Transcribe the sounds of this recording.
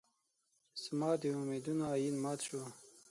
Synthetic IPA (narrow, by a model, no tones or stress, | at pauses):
səmaːd̪iumed̪unaːjinmɑːt̪ɕo